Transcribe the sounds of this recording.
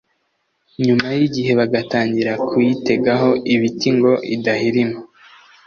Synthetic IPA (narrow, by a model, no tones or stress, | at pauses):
ɲumajiɟihe̞βaɡataːɲɟiɾakʰujite̞ɡaɦo̞ʔiβitiŋɡo̞ʔidahiɾimo